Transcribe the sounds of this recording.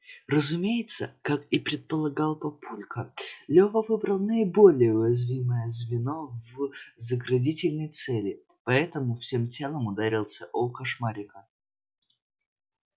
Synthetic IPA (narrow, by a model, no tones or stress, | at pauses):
rəzʊmʲejɪt̪səkakipɾʲɪt̪̚pəlˠɐɡɑlˠpɐpʰulʲkəlʲovəvɨbɾəlˠnəɪbo̞lʲɪjəʊjɪzvʲiməjəzvʲɪnovzəɡɾɐdʲitʲɪlʲnəjt̪sɛlʲɪ | pɐɛt̪əmʊfsʲemtʲelˠəmʊd̪aɾʲilˠsʲəʔokɐʂmaɾʲɪkə